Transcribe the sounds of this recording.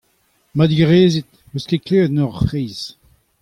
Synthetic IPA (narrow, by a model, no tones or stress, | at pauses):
mad̪ɡʁeːzit̪̚ | weskeklet̪nɔʁfʁeːz